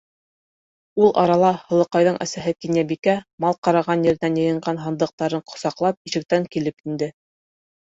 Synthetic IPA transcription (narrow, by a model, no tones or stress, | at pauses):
ulˠʔɑ̰ɾɑlˠɑhɤ̆lˠɤ̆qɑjðɤɴʔæ̰sæɦɘkinjæbikæmɑlˠqɑɾɑʁɑnjɘ̆ɾɘ̆nænjɤ̆jɤ̆ɴɢɑnɦɑ̆nd̪ɤ̆q̚t̪ɑɾɤɴqŏ̥sɑqlˠɑp̚iʃɘ̆k̚t̪æŋkilɘpind̪ɘ